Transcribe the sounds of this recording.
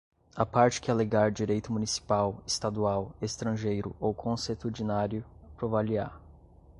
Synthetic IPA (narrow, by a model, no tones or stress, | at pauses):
apaɾt͡ʃɪ̥kɪaleɡaɾd͡ʒiɾejt̪ʊmunisi̥pawest̪ad̪uawest̪ɾɐ̃ʒejɾʊ̰ʔowkʰõset̪ud͡ʒinaɾjʊpɾovalia̰